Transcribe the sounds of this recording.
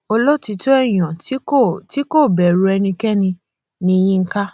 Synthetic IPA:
o˧lɔ˦ti˧to˦ɛ˦˨j̃ɔ̃˨tti˨˦ko˦˨bɛ˨ɾu˨ɛ˧nĩ˧kɛ˦nĩ˧ | nĩ˦˧jĩ˦ŋ̩˦ka˦

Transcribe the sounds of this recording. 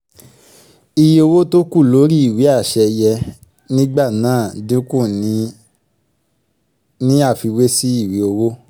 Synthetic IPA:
i˨ji˨˧o˧wo˦to˦ku˦˨lo˨˦ɾi˦i˦˨wi˨˦a˦˨ʃɛ˧jɛ˧ | nĩ˦ɡ͡ba˦˨nãː˨˦˨dũ˦kũ˦˨nĩ˨˦ | nĩ˦a˦˨fi˧we˦si˦i˦˨wi˨˦o˧wo˦

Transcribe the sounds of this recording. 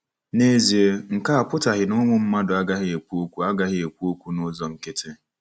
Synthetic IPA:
ne˦zi˨e˦ŋ̩˨ka˦a˨pʰʊ˦ta˨ɦɪ˨nʊ˦mʊ̃˦m̩˦mã˦dʊ˨a˦ɡa˦hɪ˦e˨kʷu˦o˦kʷu˦a˦ɡa˦hɪ˦e˨kʷu˦o˦kʷu˦nʊ˦zɔ˨ŋ̩˨ke˦tʰe˦

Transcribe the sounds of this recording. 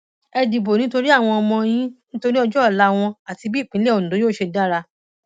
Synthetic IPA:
ɛ˧di˨bo˨nĩ˨˦to˧ɾi˦a˦˨w̃ɔ̃˧ɔ˧mɔ̃˧j̃ĩ˦nĩ˦to˧ɾi˦ɔ˧d͡ʒɔ˦˨la˦w̃ɔ̃˧a˨ti˧bi˦˨k͡pĩ˨˦lɛ˦o˨nũ˨do˨˦joː˦˨ʃe˧da˦ɾa˧

